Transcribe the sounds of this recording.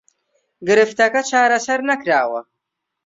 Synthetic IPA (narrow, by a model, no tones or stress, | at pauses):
ɡɨɾɨft̪ɐkɐt͡ʃaːɾɐsɐɾnakɾaːwɐ̰